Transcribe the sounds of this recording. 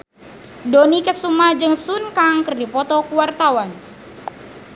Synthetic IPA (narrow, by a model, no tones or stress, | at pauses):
donikəsumahd͡ʒɨŋsunkaŋkɨrdipɔt̪ɔkuwart̪awan